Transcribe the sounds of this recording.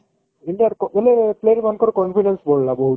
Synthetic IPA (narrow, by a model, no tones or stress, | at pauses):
iɳɖiaɾkɔʋelepleɾmankɔɾkɔnfiɖensbollabɔɦu